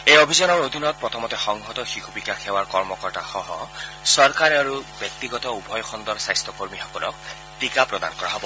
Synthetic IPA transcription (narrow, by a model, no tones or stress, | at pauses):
ejobʱizɔnɔɹod̪ʱinɔt̪̚pɹɔt̪ʰɔmɔtɛxɔŋɡʱɔt̪ɔxixʰubikaxʰɛwaɹkɔɹmɔkɔɹtaxɔɦɔsɔɹkaɹɛaɹubjɔk̚t̪iɡɔt̪ɔubʱɔjxʰɔnd̪ɔɹsajstɔkoɹmixɔkɔlɔ̰k̚ | tikapɹɔd̪a̰nkɔɹaɦɔbɔ